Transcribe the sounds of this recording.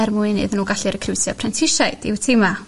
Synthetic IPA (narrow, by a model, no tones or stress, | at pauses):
ɛrmuɨnɨ̰ðnuːɡaɬɨɾəkʰrɪwsjapʰrɛntʰɪʃajd̥iwtʰema